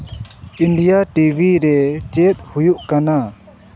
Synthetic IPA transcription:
inɖijaʈibʱiɾɛt͡ʃet̪̚hujuʔkana

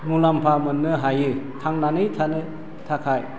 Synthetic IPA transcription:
mulampʰamɯnːɯɦajɯtʰaŋnanɯjtʰanɯ | tʰakʰaj

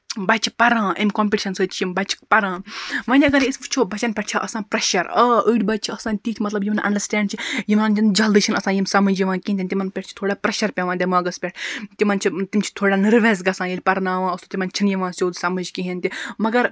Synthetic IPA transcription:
bɐt͡ʃʰi̥pɐɾãːʔimkoːmpiʈi̥ʃɐnsəːt͡ʃʰjimbɐt͡ʃʰi̥pɐɾãːʋɐnʲiɐɡɐɾist͡ʃʰoːbɐt͡ʃɐnpʲeʈʰt͡ʃʰaʔɐsãːpɾɐʃɐɾɐːəːɽʲbɐt̪̚t͡ʃʰiɐsãːnt̪iːt̪ʰʲmɐt̪lɐbjimɐnʔɐ̰ɳɖəɾsʈɛːɳɖt͡ʃʰijimanind͡ʒɐld̪ɨːt͡ʃʰinɐsãːjimsɐmɐd͡ʒjiʋãːkiɦnt̪inʲt̪ʲimɐnpʲeʈ̚t͡ʃʰi̥t̪ʰoːɽaːpɾɐʃɐɾpʲeʋãːd̪ʲemãːɡɐspʲeʈʰt̪imɐnt͡ʃʰit̪imt͡ʃʰi̥t̪ʰoːɽaːnɨɾʋeːsɡɐsãːjilʲpɐɾnaːʋãːɐst̪ot̪imɐnt͡ʃʰinjɐʋãːsʲoːd̪sɐmɨd͡ʒkiɦint̪imɐɡɐɾ

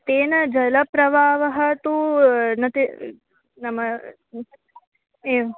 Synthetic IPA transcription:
t̪eːnɐd͡ʒɐlɐpɾɐbaːʋɐɦɐ̆t̪unɐt̪e | nɐmɐ | eːɐ

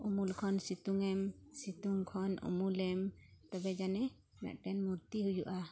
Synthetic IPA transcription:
umulkʰɔnsit̪uŋɛmsit̪uŋkʰɔnṵmulɛmt̪ɔbɛd͡ʒanɛ | mɛ̰ʔʈɛnmuɾt̪iɦujuʔa

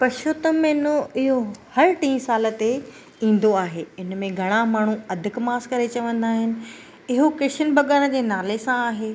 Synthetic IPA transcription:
pɐʃʊːt̪əmẽnoɪɦohɐɾʈĩːsaːlə̆t̪e | ĩːn̆d̪oaːɦeːɪnmẽɡʱɐɽ̃amaːɳ̤uɐd̪ʱɪkmaːskɐɾet͡ɕɐʋə̃nd̪aːɦɪnɪ̆ | ɪɦokeʃənbʱɐɠaːnəd͡ʑeːnaːlesãaːɦeː

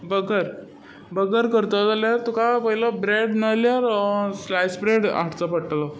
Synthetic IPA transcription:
bəɡəɾ | bəɡəɾkəɾt̪əd͡zaljaɾt̪ukapəɦilabɾeɽnaljaɾslajsbɾeɽaʈt͡səpəʈlɔ

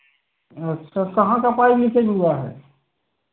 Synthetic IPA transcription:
səkɐɦãkapaːibʱised͡ʒuaɦɛ̰ː

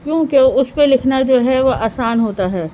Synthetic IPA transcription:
kjõːkeʊspẽlɪkʰnad͡ʒoːɦɛʋoʔaːsaːnɦoːt̪aɦɛː

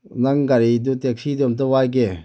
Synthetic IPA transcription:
naŋɡaɾid̪ut̪ek̚sʰid̪omt̪əwajɡe

